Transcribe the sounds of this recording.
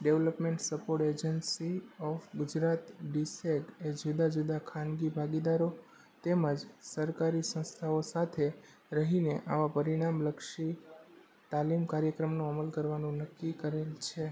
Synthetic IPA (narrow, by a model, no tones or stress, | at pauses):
ɖeʋləpmẽɳʈsəpoɾʈed͡ʒənsiɔfɡʊd͡ʒɾat̪ɖiseɡed͡ʒud̪ad͡ʒud̪akʰanɡibʱaɡid̪aɾo | t̪eməd͡ʒsəɾkaɾisə̃st̪ʰaosat̪ʰe | ɾəɦineʔaʋapəɾiɽ̃amləkʃi | t̪alimkaɾjəkɾəmnũəməlkəɾʋanũnəkːikəɾelt͡ʃʰe